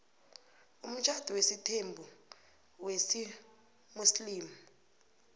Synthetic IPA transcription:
um̩t͡ʃʰʼad̥ʱɔwesitʰembʱu | wesi | musliːmu

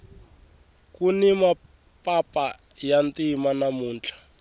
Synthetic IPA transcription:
kunima | pʼapa | jantimanamuːnt͡ɬʰḁ

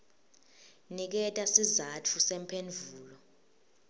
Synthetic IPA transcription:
nik̬ɛtʼasizatʰusɛmpʰend͡vʱuːlɔ

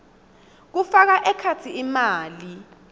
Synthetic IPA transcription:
k̬ufak̬aʔɛkʰat͡sʰiimaːli

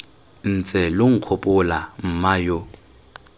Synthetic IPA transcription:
n̩t͡sʼɛloŋ̩q͡χʰopʼʊlam̩majo

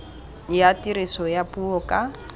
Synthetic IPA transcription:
jatiɾisɔjapuɔkʼa

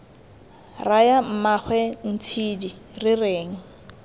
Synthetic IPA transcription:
rajam̩maχwɛn̩t͡sʰidi | rɪreːŋ̩

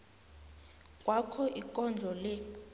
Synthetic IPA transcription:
kʼwakʰɔʔikʼɔnd͡ɮʱɔlɛ

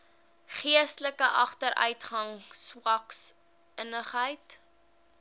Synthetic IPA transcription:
χiəstələkəʔɐχtəɾʔœ̰ɥtχɐŋswɐks | ənəχɦəjt

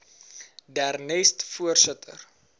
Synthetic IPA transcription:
dærnɛstfuərsətʰə̰r

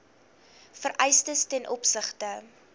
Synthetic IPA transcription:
fərʔɛjstəstɛnʔɔpsəχtə

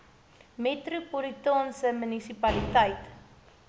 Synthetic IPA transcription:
metɾupɔɾitɑːnsəmynisipɐlitəjt

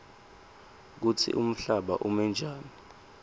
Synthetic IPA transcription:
k̬utʰḭʔum̩ɬaɓa̰ʔumɛnd͡ʒʱaːni

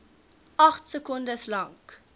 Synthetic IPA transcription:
ʔɐχtsəkundəslɐŋk

